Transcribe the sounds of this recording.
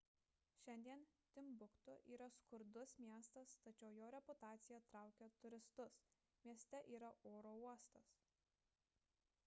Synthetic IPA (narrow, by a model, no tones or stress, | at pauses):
ʃʲɛnʲd̪ʲiɛnt̪ʲɪmbʊkt̪ʊʔiːɾɐskʊɾd̪ʊsmʲiɛst̪ɐst̪ɐt͡ʃʲɛʊjoːɾʲɛpʊt̪ɑːt̪sʲɪjɛt̪ɾɑˑʊkʲot̪ʊɾʲɪst̪ʊs | mʲiɛsʲt̪ʲɛʔiːɾɐoːɾoːuɔst̪ɐs